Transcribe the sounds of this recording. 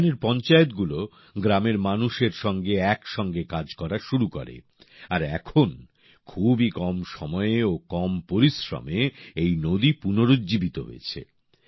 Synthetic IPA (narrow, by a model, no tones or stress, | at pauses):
neɾpɔnt͡ɕaet̪̚ɡulo | ɡɾameɾmanuʃeɾʃɔŋɡeɛkʃɔŋɡekad͡ʑkɔɾaʃuɾuko̰ɾḛ | aɾɛ̰kʰon | kʰubikɔmʃɔmɔeeokɔmpoɾisɾo̰meejnod̪ipunoɾud̪d͡ʑibit̪o̰ɦo̰ḛt͡ɕʰḛ